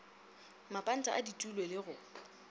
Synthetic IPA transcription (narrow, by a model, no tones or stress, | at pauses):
mapʼan̩tʼa̰ʔaditʼulwelɪɣʊ